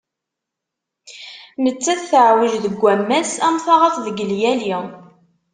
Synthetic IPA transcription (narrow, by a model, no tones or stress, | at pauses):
nət͡sːæθθəʕwəʒðəɡʷːæmːæsæmθaʁæθðəɡəljæli